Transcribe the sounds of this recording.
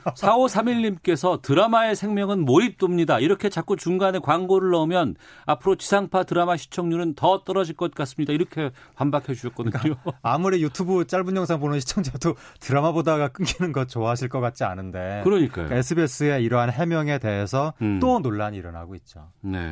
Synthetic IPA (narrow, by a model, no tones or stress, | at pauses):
sʰaosʰamiʎːimk͈e̞sʰʌtɯɾamae̞sʰe̞ŋmjʌŋɯnmoip̚t͈omɲidaiɾʌkʰe̞t͡ɕak͈ut͡ɕuŋɡanekwaŋɡoɾɯɭːʌmjʌn | apʰɯɾot͡ɕisʰaŋpʰatɯɾamaɕʰi̥t͡ɕʰʌŋɲuɾɯntʌt͈ʌɾʌd͡ʑiɭk͈ʌt̚k͈as͈ɯmɲidaiɾʌkʰe̞pambakʰed͡ʑuɕʰʌt̚k͈ʌdɯkaɲoamuɾijutʰubɯt͡ɕ͈aɭbuɲjʌŋsʰaŋbonɯnɕʰi̥t͡ɕʰʌŋd͡ʑuɾedo | tɯɾamabodaɡak͈ɯŋɡʰinɯnɡʌt̚t͡ɕoaɦaɕʰiɭk͈ʌk͈at̚t͡ɕ͈ia̰nɯnde̞kɯɾʌɲik͈a̰jo̰kaesʰɯbes͈ʰɯeiɾʌɦanɦe̞mjʌŋe̞te̞ɦesʰʌt͈onoɭːaɲiɾʌnɦa̰ɡoit̚t͡ɕ͈o̰nḛ